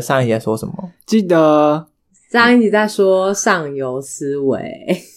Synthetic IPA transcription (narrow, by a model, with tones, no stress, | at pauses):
sɑ˥˧ŋi˥˩t͡ɕɛ˥˩swɔ˥ʂə˨˦nmə˨˦t͡ɕi˥˩d̪ə˩ | sŋi˥˩t͡ɕi˨˩t͡sa˥˩ɪʂwɔ˥ʂɑ˥˩ŋjo˧˥ʊs̩˦wḛ˨˦ɪ